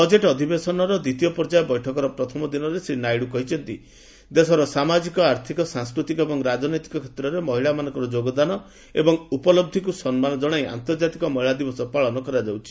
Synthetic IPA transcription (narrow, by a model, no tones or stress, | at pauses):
bɔd͡ʒeʈɔd̪ʱibesɔnɔɾɔd̪it̪iɔpɔɾd͡ʒajɔbɔjʈʰɔkɔɾɔpɾɔt̪ʰɔmɔd̪inɔɾesinajɽukɔɦit͡ʃʰɔnt̪i | d̪esɔɾɔsamad͡ʒikɔaɾt̪ʰikɔsãŋskɾut̪ikɔebɔŋɾad͡ʒɔnɔjt̪i̥kɔkʰe̥t̪ɾɔɾemɔɦiɭamanɔ̃ŋkɔɾɔd͡ʒoɡɔd̪anɔ | ḛbɔŋupɔlɔb̚d̪ʱikusɔnmanɔd͡ʒɔɽ̃aja̰nt̪ɔɾd͡ʒat̪ikɔmɔɦiɭad̪ibɔsɔpaɭɔnɔkɔɾad͡ʒawt͡ʃʰi̥